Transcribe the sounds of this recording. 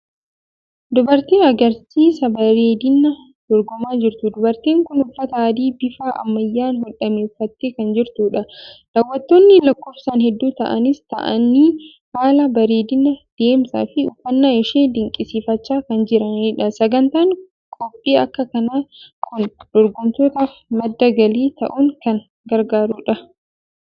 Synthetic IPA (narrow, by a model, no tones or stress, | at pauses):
d̪ʊbɐɾt̪eːɐɡɐɾsiːsɐbɐɾeːd̪ɪnːɐ | d̪̥ɔɾɡɔmaːd͡ʒɪɾt̪ʊd̪ʊbɐɾt̪eːŋkʊnʊfːɐt̪ɐːd̪iːbɪfaːʔɐ̰mːɐjːaːnhɔᶑɐmeːfːɐt̪ːeːkɐnd͡ʒɪɾt̪uːᶑɐlɐwːɐt̪ːoːnːɪlɐkːo̞ːfsaːnhɛd̪ːuːt̪ɐʔɐnɪst̪ɐ̰ʔɐ̰nːiː | haːlɐbɐɾeːd̪ɪnɐd̪̥e̞ːmsa̰ːfɪʊfːɐnːaːɪʃiːnd̪ɪŋkʼːɪsiːfɐt͡ʃːaːkɐnd͡ʒɪɾɐniːᶑɐsɐɡɐnt̪aːŋ | kʼɔpʼːiːɐkːɐkɐnaːkʰʊnd̪̥ɔɾɡɔmt̪oːt̪aːfmɐd̪ːɐɡɐliːt̪ɐ̰ʔuŋkɐn | ɡɐɾɡaːɾuːᶑɐ